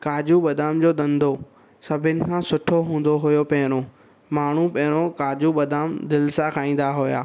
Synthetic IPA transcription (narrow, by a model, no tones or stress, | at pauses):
kaːd͡ʑuɓɐd̪aːmd͡ʑoːd̪ɐ̃nd̪ʱo | sɐbʱɪnɪ̆kʰãsʊʈʰoɦũːn̆d̪oɦʊjopɐɦɪɽ̃o | maːɳ̤upɐ̃ɦɪɽ̃okaːd͡ʑuɓɐd̪aːmd̪ɪlsakʰaːĩːn̆d̪aɦʊja̰ː